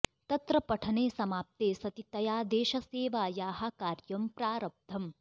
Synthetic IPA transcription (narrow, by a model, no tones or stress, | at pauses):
t̪ɐt̪ɾɐpɐʈʰɐneːsɐmaːp̚t̪eːsɐt̪it̪ɐjaːd̪eːʃɐseːʋaːjaːɦɐkaːɾjɐmpɾaːɾɐb̚d̪ʱʰɐm